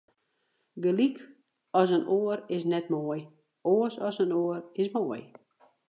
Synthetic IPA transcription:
ɡəlik | ɔs̬ənoːərɪsnɛtmoj | oəsɔsənoərɪsmoːj

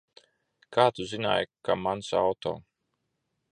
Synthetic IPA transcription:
kaːt̪uzina̰ːjkamansa̰wt̪ɔ̰ː

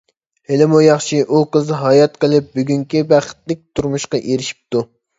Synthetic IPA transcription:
helɪmujɑχʃiʔuqəzɦɑjɑt̪qʰəlˠɪp̚byɡʲyŋkʲibæχə̥t̪lɪk̚ʲt̪ʰuɾmuʃqɑʔeɾɪʃi̥p̚t̪u

